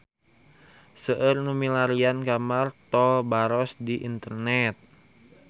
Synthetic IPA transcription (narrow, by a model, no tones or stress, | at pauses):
səʔərnumilaɾiankamart̪ɔlbaɾɔsdiʔḭnt̪ərnɛt̪̚